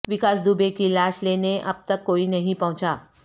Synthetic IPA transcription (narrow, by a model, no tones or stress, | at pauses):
ʋɪkaːs̬d̪ubekilaːʃleneʔɐ̰b̚t̪ɐkːoːinɐɦĩpɐɦʊ̃t͡ʃaː